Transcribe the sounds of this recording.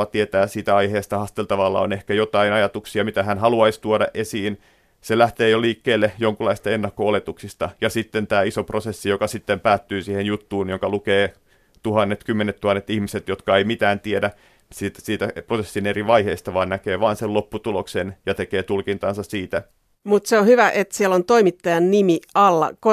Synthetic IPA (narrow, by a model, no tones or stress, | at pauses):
ɑt̪iet̪æːsiːt̪æɑiheːst̪ɑhɑst̪elt̪ɑʋɑlːɑ̰o̰nehkæjot̪ɑinɑjɑt̪uksiɑmit̪æhænhɑluɑist̪uodɑʔesiːn | selæht̪eːjoliːkːeːlːejoŋkulːˑɑist̪ɑenːɑkːoolet̪uksist̪ɑjɑsit̪ːent̪æːisoprosesːijokɑsit̪ːempæːt̪ːyːsiːhenjut̪ːuːnjoŋkɑlukeː | t̪uhɑnːet̪kymːenet̪t̪uhɑnːet̪ihmiset̪jot̪kɑeimit̪æːnt̪iedæ | siːt̪siːt̪æprosesːineriʋɑiheːst̪ɑʋɑːnnækeːʋɑːnselopːut̪uloksenjɑt̪ekeːt̪ulkint̪ɑːnsɑssiːt̪æ | mut̪seonhyʋæʔet̪siælont̪oimit̪ːɑjɑnnimiɑlːɑ̰ko